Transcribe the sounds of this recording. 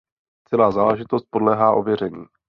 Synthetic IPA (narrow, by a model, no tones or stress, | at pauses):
t͡sɛlaːzaːlɛʒɪt̪ost̪̚po̞dlɛːɦaːʔo̞vjɛrɛɲḭː